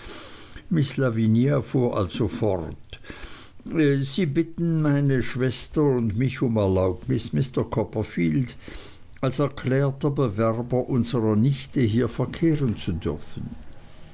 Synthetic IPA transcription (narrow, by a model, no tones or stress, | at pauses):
mɪslaviniafuːɐʔa̰lz̥ofɔʁt | ziːbɪtn̩maɪnəʃv̥ɛstɐʊndmɪçʊmɛɐlaʊpnɪsmɪstɐkʰɔpɐfiːld | alsɛɐkʰl̥ɛːɐtɐbəvɛʁbɐʔʊnzəʁɐnɪçtəɦiːɐfɛɐkʰeːʁənt͡sudʏɐfən̩